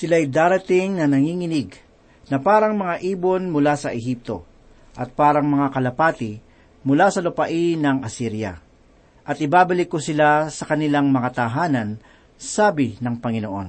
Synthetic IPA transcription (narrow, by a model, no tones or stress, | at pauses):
sɪlajd̪aːɾɐt̪ɪŋnɐnɐŋiːŋɪnɪɡ | nɐpaːɾɐŋmɐŋaʔiːbonmʊlasɐʔɛɦip̚t̪o̞ | ʔɐt̪̚paːɾɐŋmɐŋakɐlɐpaːt̪ɪ | mʊlasɐlʊpɐʔinɐŋɐsiɾja̰ | ʔɐt̪ɪbaːbɐlɪkːʊsɪlasɐkɐnɪlaŋmɐŋat̪aɦaːnɐn | saːbɪnɐŋpɐŋɪnoʔo̞n